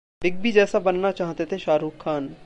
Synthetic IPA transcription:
ɖɪɡ̚bʱid͡ʒɛːsabɐnːat͡ʃaːɦt̪et̪ʰeʃaːɾuːkʰːaːn

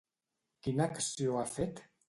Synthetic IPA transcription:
kinaksioafet̪

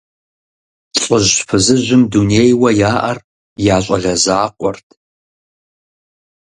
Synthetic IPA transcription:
ɕʼəʒpʰɨzɨʒɪmdunejwɐjaːʔɐr | jaːɕʼɐ̰ɮɐzaːqʷʼɔrtʰ

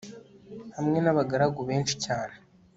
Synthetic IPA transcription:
hamŋe̞naβaɡaɾaɡoβe̞ːnʃi̥caːne

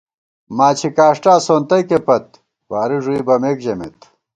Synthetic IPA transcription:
maːt͡ɕʰikaːʂʈaːsoːnt̪ɐjkepɐt̪̚ | waːɾiʐuibɐmeːkd͡ʑɐmḛt̪

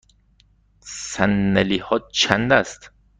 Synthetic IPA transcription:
sænːelihɒːt͡ʃʰænd̪æst̪

